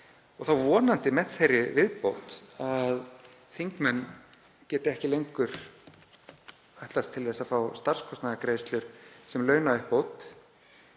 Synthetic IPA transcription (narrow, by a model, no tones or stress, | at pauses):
ɔɣθawvɔːnant̪ɪmɛðθejrːɪvɪðpowt̪að | θiŋkmɛnː | cɛːt̪ɪɛhcɪlejŋkʏɾ̥ | aht̪last̪ʰɪlðɛsːafawst̪aɾ̥skʰɔst̪naðakɾeːjst̪lʏɾ̥sɛmlœːɥnaɪhpowt̪